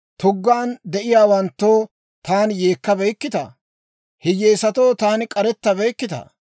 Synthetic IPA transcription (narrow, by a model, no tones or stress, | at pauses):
t̪ʊɡːaːnd̪ɛʔɪjaːwɐnt̪ːoː | t̪aːnjeːkːɐbɛjkːɪt̪ɐ̰ | hɪjeːsɐt̪oːt̪aːnɪkʼɐɾɛt̪ːɐbɛjkːɪt̪ɐ̰